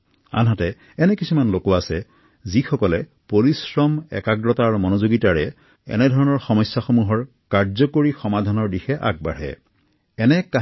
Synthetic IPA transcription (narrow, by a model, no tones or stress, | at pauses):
a̰nɦatɛ | ɛnɛkisumanlokwaːsɛ | zixɔkɔlɛ | poɹisɹɔmɛ̰kaɡɹɔtaɹmɔnozoɡitaɹɛ | ɛ̰nɛdʱɔɹɔnɔɹxɔmɔjsjaxomuɦɔɹ | kaɹzɔkoɹixɔmadʱanɔɹdixɛʔa̰k̚ba̰ɹɛ̰ | ɛnɛka